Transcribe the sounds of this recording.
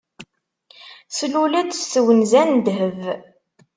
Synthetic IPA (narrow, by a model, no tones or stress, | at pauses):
slulæd̪sθəwənzænd̪ɦəv